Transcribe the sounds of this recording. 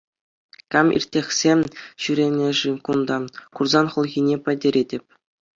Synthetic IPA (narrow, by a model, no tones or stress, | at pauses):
kɑmḭrʲtʲːexʲsʲeɕyɾʲemʲeʐɘkund̪ɑkurzɑnχɤ̆lˠɣʲinʲepʲɘ̆dʲeɾʲedʲɘ̆pʲ